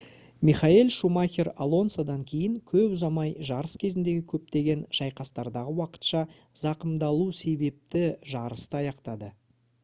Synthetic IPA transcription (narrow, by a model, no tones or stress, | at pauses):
miχailˠʃumaxʲeɾalˠo̞nsad̪ɑŋkʲʰe̞jɪŋkʲʰɵpʊzɑmɑjʒɑɾəskʲʰe̞zɪnd̪e̞ɡʲɪkʲʰɵp̚t̪e̞ɡʲe̞nʒ̥ɑjqɑst̪ɑɾd̪ɑʁəwɑqə̥t̪ʃɑ | zɑqəmd̪ɑlˠuse̞be̞p̚t̪ɪʒɑɾəst̪əɑjɑqt̪ɑd̪ə